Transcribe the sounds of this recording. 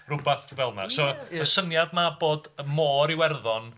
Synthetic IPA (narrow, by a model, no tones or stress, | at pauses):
rʊbaθvɛlˠma̰sɔəsənjadmaboːdmoːɾiwɛrðɔn